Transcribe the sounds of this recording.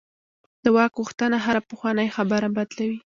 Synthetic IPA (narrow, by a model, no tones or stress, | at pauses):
d̪̥əwɑkɣoxt̪ənaɦaɾapəxwɑnəjxabaɾabad̪lawi